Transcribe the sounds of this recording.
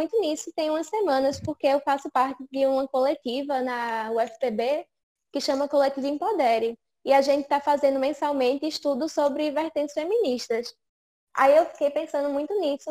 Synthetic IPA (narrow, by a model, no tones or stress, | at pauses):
mũj̃t̪ʊnisʊt̪ẽj̃ũmɐssemɐ̃nɐspoɾkeewfasʊpaɾt̪ɪd̪ɪũmɐkolet̪ivɐnɐuɛfi̥pebe | kɪʃɐ̃mɐkolet̪ivɐẽj̃pod̪eɾɪ | iaʒẽnt̪ɪ̥t̪afazẽnd̪ʊmẽsawmẽnt̪ɪiʃt̪ud̪ʊsobɾɪveɾt̪ẽnt̪ɪ̥sfemĩniʃt̪ɐs | a̰iewfi̥kejpẽsɐ̃nd̪ʊmũj̃t̪ʊnisʊ